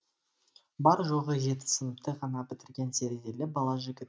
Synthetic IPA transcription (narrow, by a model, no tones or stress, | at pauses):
bɑɾʒo̞ʁəʒe̞t̪ɪ̥sənəpt̪əʁʰɑnɑpɪt̪ɪɾɡʲe̞nsʰeɾd̪elɪbɑlˠɑʒɪɡʲɪt̪